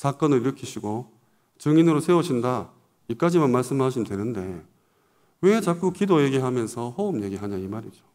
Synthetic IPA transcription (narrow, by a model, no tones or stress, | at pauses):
sʰak͈ʌnɯɭiɾɯkʰiɕʰiɡo | t͡ɕɯŋinɯɾosʰe̞uɕʰinda | ik͈ad͡ʑimanmaɭs͈ɯmɦaɕ̬ʰimdwenɯnde̞ | we̞t͡ɕak͈ukidoje̞ɡiɦamjʌnsʰʌhʌumje̞ɡiɦaɲaimaɾid͡ʑo